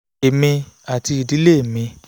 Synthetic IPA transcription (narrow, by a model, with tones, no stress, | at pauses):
e˨mĩ˧a˨ti˧i˧˨di˨˦le˦e˨mĩ˧